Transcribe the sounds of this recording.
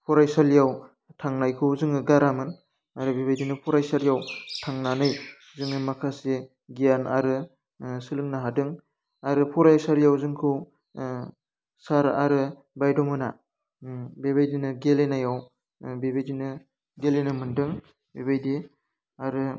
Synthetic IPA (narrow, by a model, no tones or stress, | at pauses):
pʰɔɾajsaljaw | tʰaŋnajkʰɯwzɯŋɯɡaɾamɯn | aɾɯbebajdinɯpʰɔɾajsaɾjawtʰaŋnanɯj | zɯŋɯmakʰase | ɡijana̰ɾɯ | sɯlɯŋnaɦadɯŋ | aɾɯpʰɔɾajsaɾjawzɯŋkʰɯw | saɾaɾɯ | bajdɔmɯna̰ | beβajdinɯɡelenajaw | bebajdinɯ | ɡelenɯmɯndɯŋ | bebajdi | aɾɯ